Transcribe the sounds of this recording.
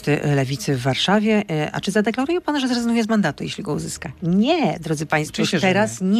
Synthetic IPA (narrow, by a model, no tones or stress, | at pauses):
t̪ɘlɛvʲit̪sɘvːaɾʂavʲjɛʔa̰t͡ʂɘzad̪ɛklaɾujɛpanʐɛzɾɛzɡnujɛzmand̪at̪ujḛɕlʲiɡɔṵzɘskaɲɛd̪ɾɔd̪zɘpaj̃st̪fut̪ɛɾasɲ